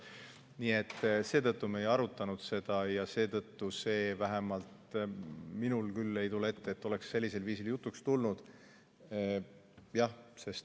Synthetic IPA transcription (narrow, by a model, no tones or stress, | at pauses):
nie̞t̪ːse̞ːt̪ɤt̪ːumejɑɾut̪ːˑɑnud̪̥se̞d̪̥ɑjɑse̞ːt̪ɤt̪ːuse̞ːvæɦemɑlt̪ | minulkylːe̞jt̪ule̞t̪ːeeːt̪ːˑo̞le̞ksːe̞lʲːise̞lviːsiljut̪ːˑukst̪ulnud̪̥ | jɑhse̞st̪